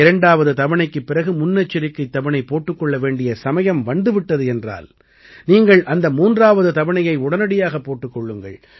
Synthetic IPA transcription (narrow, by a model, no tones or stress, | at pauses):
ɪɾɐɳɖaːʋɐðɯt̪ɐʋɐɳɐɪkːɯpːɪɾɐɣɯmʊnːɐt͡ʃːɪɾɪkːɐɪt̪ːɐʋɐnɐɪpːoːʈːɯkːɔɭːɐʋeːɳɖɪjɐsɐmɐjɐmʋɐnd̪ɯʋɪʈːɐðɯɛndra̰ːl | niːŋɡɐɭʔɐnd̪ɐmuːndraːʋɐðɯt̪ɐʋɐɳɐjɐɪʊɽɐnɐɽɪjaːɣɐpːoːʈːɯkːɔɭːɯŋɡɐɭ